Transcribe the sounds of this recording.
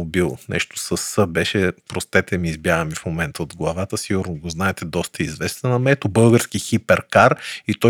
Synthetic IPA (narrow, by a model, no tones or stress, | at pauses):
bilˠnɛ̰ʃt̪o̥səsːɤbɛʃɛpɾost̪ɛt̪ɛmiːzbjaɡəmifmomɛnt̪əod̪ɡlˠɐvat̪əsiɡuɾnoɡoznaɛt̪ɛd̪ɔst̪əizvɛst̪ɐnɐmɛt̪obɤlˠɡəɾskixipɛɾkaɾit̪ɔ